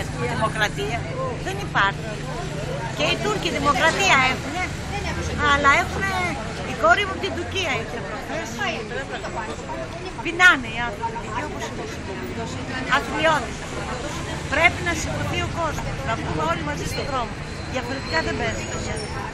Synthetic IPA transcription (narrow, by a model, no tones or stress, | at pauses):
ɐiðimo̞kɾɐt̪iɐ | ðe̞nipɐɾçi | ce̞it̪uɾciðimokɾɐt̪iɐe̞xune̞ | ɐlɐe̞xune | iko̞ɾimuɐpot̪ind̪uɾciɐiçeɐpɾofest̪leɐt̪ɐo | pinɐneiɐnθɾopiepitioposinɐsioos | ɐtɾio̞θisepɾoɐt̪os | pɾe̞pinɐsiɡɾoθio̞ko̞zmosnɐpumeo̞limɐzist̪o̞ðɾo̞mo | ðiɐfo̞ɾet̪ikɐðembezikɐmɲɐð